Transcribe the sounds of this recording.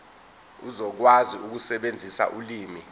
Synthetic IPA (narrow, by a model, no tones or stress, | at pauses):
uzɔk̬waziʔuk̬usɛɓend͡zʱisa̰ʔuliːmi